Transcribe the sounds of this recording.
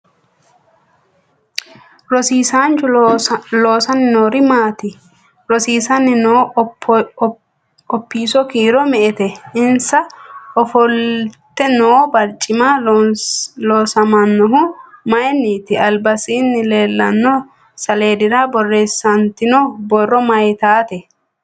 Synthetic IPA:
ɾɔsiːsaːnt͡ʃʊlo̞ːsɐnːɪnoːɾɪmaːt̪ɪ | ɾɔsiːsɐnːɪnoː | ɔpːiːsɔkiːɾɔmɛʔɛt̪ɛɪnsɐɔfɔlt̪ːɛnoːbɐɾt͡ʃʼːɪma | loːsɐmɐnːɔɦʊmɐjnːiːt̪ɪɐlbɐsiːnːɪle̞ːlːɐnːɔ | sɐleːd̪ɪɾabɔrːeːsːɐnt̪ɪnɔbɔrːɔmɐjt̪aːt̪ɛ

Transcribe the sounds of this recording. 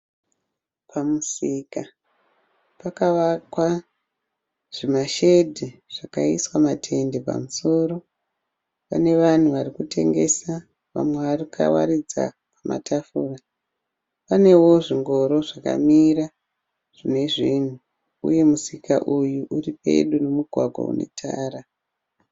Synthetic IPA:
pʰamusika | pakaʋakwa | ʐ̥imaʃe̞dʱiʐ̥akaiswamatʰe̞nde̞pa̰muso̞ɾo̞ | pa̰ne̞ʋan̤uʋarikutʰe̞̰ŋɡe̞̰sa | ʋa̰mwe̞ʋarikʰa̰wa̰ɾid͡za̰ | pama̰tafuːra | pane̞woʐiŋɡo̞ɾo̞ʐaka̰miɾa | ʐ̥ine̞ʐin̤u | ṵje̞musikaʔujuʔuripe̞̰ɗunomuɡʱwaɡʱwa̰ṵne̞̰tʰa̰ːɾa

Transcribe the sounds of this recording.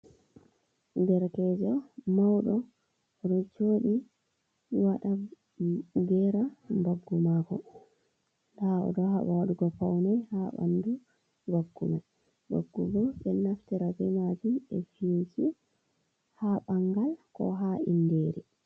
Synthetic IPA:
dɛɾkɛzɔmawɗɔ | ɗɔt͡ʃoːɗi | waɗa | ɡɛɾambaɡːumakɔ | ndaɔ̰ɗɔɦaɓawaɗuɡɔfawnɛjhaɓa̰ndu | baɡːuma | ba̰ɡːubɔbɛnaftɛɾabɛmatinɛfisi | haɓaŋɡalkɔ̰ɦaḭndeɾi

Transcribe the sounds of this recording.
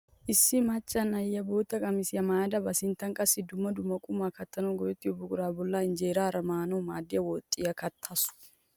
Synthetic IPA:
ʔɪsːɪmɐt͡ʃʼːɐnɐjːɐboːt̪ːɐkʼɐmɪsjɐmaːjɐd̪ɐbɐsɪnt̪ːɐŋkʼɐsːɪd̪ʊmːɐd̪ʊmːɐkʼʊmaːkɐt̪ːɐnɔɡɔjɛt̪ːɪɔbʊkʼʊɾaːbɔlːaɪnd͡ʒeːɾaːɾɐmaːnɔmaːd̪ɪjɐwɔt̪ʼːɪjɐkɐt̪ʰːɐsʊ̥

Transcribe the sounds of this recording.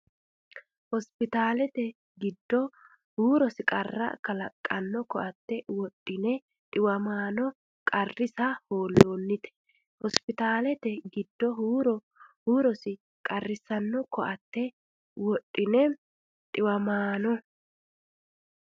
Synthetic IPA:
hɔspɪt̪aːlɛt̪ɛ | ɡɪd̪ːɔ | huːɾɔsɪkʼɐrːɐ̰kɐlɐkʼːɐnːɔkɔʔɐt̪ːɛwɔtʼːɪnɛ | ᶑ̪ʼɪwɐmaːnɔ | kʼɐrːɪsɐhoːlːoːnːɪt̪ɛ̥ | hɔspɪt̪aːlɛt̪ɛɡɪd̪ːɔɦuːɾɔ | huːɾɔsɪ | kʼɐrːɪsɐnːɔkɔʔɐt̪ːɛ | wɔtʼːɪnɛ | ᶑ̪ʼɪwɐmaːnɔ

